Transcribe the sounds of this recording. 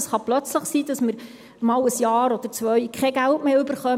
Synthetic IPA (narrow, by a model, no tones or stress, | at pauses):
sχɑplœt͡sləχsiːdɑsməɾ | mɑːləsjɑːɾɔd̥̪əɾt͡sʋœʏkχɛɡæltmeːʏbəɾχœ